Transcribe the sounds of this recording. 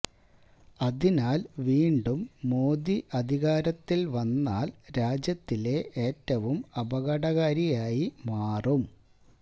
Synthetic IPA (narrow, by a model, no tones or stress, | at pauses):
ɐðinaːlʋiːɳɖumːo̞ːd̪iʔɐd̪ʱiɣaːɾɐt̪ːilʋɐnːaːlɾaːd͡ʑjɐt̪ːile̞ʔeːtːɐʋumɐbɐɣɐɽɐɣaːɾijaːjimaːrum